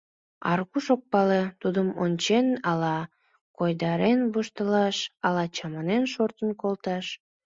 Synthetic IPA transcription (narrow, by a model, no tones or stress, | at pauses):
ɑ̰rkuʃok̚pɑlet̪ud̪əmonʲt͡ɕenɑlɑ | kojd̪ɑɾenβuʃt̪əlɑʃɑlɑt͡ɕɑmɑnenʃort̪ənkolt̪ɑʃ